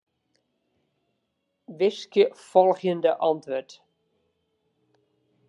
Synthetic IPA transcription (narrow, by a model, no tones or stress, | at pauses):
ʋɪskjəfɔlˠɣjəndəʔɑntʋøt